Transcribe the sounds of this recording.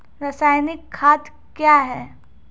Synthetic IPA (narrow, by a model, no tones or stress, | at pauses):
ɾasaːjnɪkʰːaːt̪ | kjaːɦɛː